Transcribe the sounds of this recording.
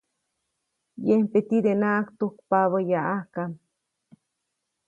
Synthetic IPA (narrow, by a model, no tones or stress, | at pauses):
jempet̪id̪enaʔakt̪uk̚paβəjaʔahkam